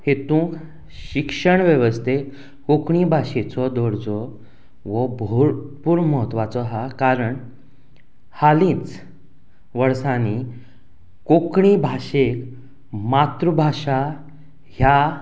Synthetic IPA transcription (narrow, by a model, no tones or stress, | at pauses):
het̪ũːk | ɕikʂəɳʋjeʋəst̪ʰe | kokɳibʱaɕet͡sɔd̪ɔɽd͡zɔ | ʋɔbpuɾməɦət̪ːʋat͡sɔɦakaɾəɳ | halĩːt͡s | ʋəɾsani | kokɳibʱaɕek | mat̪ɾəbʱaɕa | hja